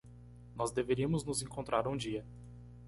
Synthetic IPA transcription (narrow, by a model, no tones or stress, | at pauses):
nɔzd̪eveɾiɐmʊznʊzẽkõnt̪ɾʔaɾũd͡ʒiɐ